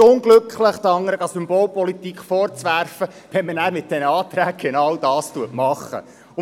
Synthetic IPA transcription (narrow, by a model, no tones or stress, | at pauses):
ʊŋɡlɵkχləχt̪ɑŋːəɾəɡɑsʏmbɔːlpɔlit̪ikfɔɾt͡sʋæɾfə | ʋɛnmənæːɾmɪt̚d̥ɛnəɑːt̪ɾæːk̚ɡ̥enɑwdɑːstuətmɑχə̰ | ʊ